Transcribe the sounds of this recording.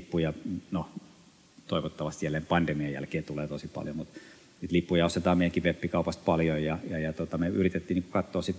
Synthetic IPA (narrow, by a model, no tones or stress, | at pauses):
pːujɑno | t̪oiʋot̪ːɑʋɑst̪ijælːˑeːmpɑndemiɑjæ̰lkeːt̪uleːt̪osipɑ̰ljomut̪ | sit̪lipːujɑost̪et̪ɑːmeˑijæŋkiʋepːikɑupɑst̪̚pɑljojjɑjɑjɑt̪ot̪ɑmeyrit̪et̪ːiːniːŋkukɑt̪ːoːsit̪